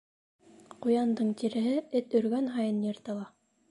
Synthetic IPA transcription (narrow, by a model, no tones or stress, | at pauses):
qujɑnd̪ɤɴt̪iɾɘ̆ɦɘɘt̪ɵ̆ɾɡænɦɑjɤnjɤ̆ɾt̪ɑ̆lˠɑ